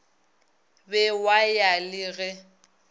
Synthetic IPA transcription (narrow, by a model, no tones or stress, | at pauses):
bɛwajalɪɣɛ